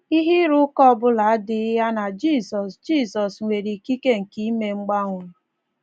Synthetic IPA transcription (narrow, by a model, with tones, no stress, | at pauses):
i˦ɦi˦ɾʊ˦kɔ˦bʊ˦la˨˦a˦dɪ˦ja˦na˨d͡ʒi˦˨sɔ˨sd͡ʒiː˦˨sɔ˨sŋʷe˨ɾi˨ki˦ke˦ŋ̩˨ki˦me˦ŋ͡m̩˦ɡ͡ba˦ŋʷʊ˨